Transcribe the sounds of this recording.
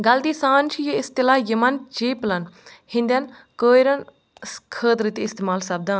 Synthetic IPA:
ɡɐld̪iːsãːnt͡ʃʰjəɪst̪ɪlaːjəmɐnt͡ʃeːplɐnhɪ̃nd̪ɐn | kəːjɾən | skʰəːd̪ɾit̪eɪst̪eːmaːlsɐb̚d̪ãːn

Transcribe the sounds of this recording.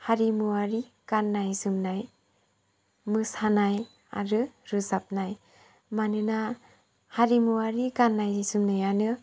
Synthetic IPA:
haɾimuwaɾi | kanːajsɯmnaj | mɯshanaj | a̰ɾɯɾɯsap̚naj | manɯna | haɾimuwaɾikanːajisɯmnajanɯ

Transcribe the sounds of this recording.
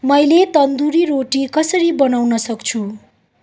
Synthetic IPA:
mʌjlet̪ʌnd̪uɾiɾoʈikʌsʌɾibʌnawnʌsʌkt͡sʰu

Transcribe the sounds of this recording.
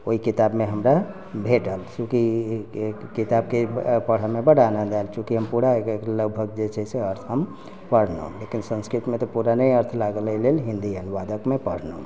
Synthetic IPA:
oikit̪abmeɦəmɾa | bʱeʈəlsũki | kit̪ab̚kepəɽ̤amebəɽanad̪alt͡ʃʰũkiɦəmpuɽakləɡbʱəɡ̚d͡ʒet͡ʃʰɛseəɾt̪ʰɦəm | pəɽ̤nə̰lekinsə̃nskɾit̪mẽt̪ɔpuɾanəjəɾt̪ʰlaɡəllelɦĩnd̪iənʋad̪əkmepəɽ̤nəu

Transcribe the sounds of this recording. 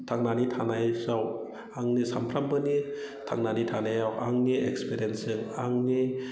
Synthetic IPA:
t̪ʰaŋnaːnit̪ʰanajsaw | aŋnisampʰɾambɯni | t̪ʰa̰ŋnanit̪ʰanajawʔa̰ŋniʔekspʰeɾiensɯŋaŋni

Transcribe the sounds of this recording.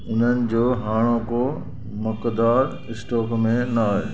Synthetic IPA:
ʊn̤ənɪ̆d͡ʑoːɦaːɽ̃õko | mɐkd̪aːɾ | ɪsʈɔːkmẽnaaːɦeː

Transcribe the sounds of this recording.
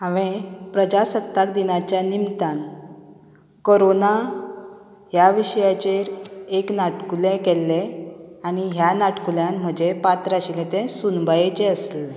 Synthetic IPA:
ɦãʋẽpɾəd͡ʑasət̪ːak̚d̪inat͡ɕjanimt̪ãn | koɾona | ɦjaʋiɕjat͡ɕeɾeknaʈkulẽkɛlːeañiɦjanaʈkuljãnm̤əd͡ʑepat̪ɾaɕilet̪ẽsunbʱajet͡ɕeəsle

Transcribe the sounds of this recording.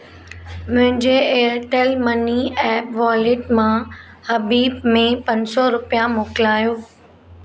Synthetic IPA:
mʊ̃ɦɪ̃ɲd͡ʑeːəɾʈeːlmɐniɛ̃ːʋaːlɪʈmã | hɐbiːbmẽpɐ̃ɲsɔɾʊpijãmoːkɪlaːjoː

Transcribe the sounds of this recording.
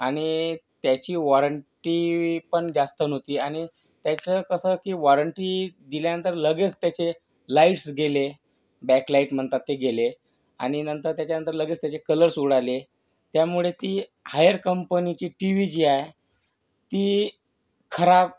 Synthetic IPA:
aɽ̃it̪jat͡ɕiːʋɔɾəɳʈipəɳd͡ʑast̪ənot̪iːaɽ̃i | t̪jat͡səkəsəkiːʋɔɾəɳʈid̪iljanənt̪əɾləɡet͡st̪jat͡ɕe | laiʈsɡele | bɛklaiʈm̤əɳt̪at̪ːeɡele | a̰ɽ̃inənt̪əɾt̪jat͡ɕjanənt̪əɾləɡet͡st̪jat͡ɕekələɾsuɽale | t̪jamuɭet̪iːhajəɾkəmpənit͡ɕiːʈiʋid͡ʑiːae | t̪iː | kʰəɾab̚

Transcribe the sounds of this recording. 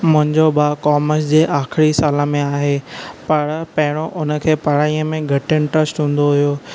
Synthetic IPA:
mʊ̃ɦɪ̃ɲd͡ʑoɓaːkɔːməs̬d͡ʑeːʔaːxɪɾisaːləmẽaːɦepɐɾpɐɦɪɽ̃oʔʊnə̆kʰeːpɐɽ̤aːiəmẽɡʱɐʈəñʈɾəsʈɦũːn̆d̪oɦʊijoː

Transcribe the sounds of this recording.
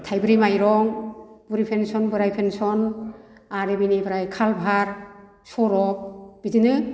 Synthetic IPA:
tʰajbɯɾimajɾɔŋb̥uɾipʰensɔnbɯɾajpʰensɔn | aɾebinibɯɾajkʰalbʱaɾ | sɔɾɔk̚b̥idinɯ

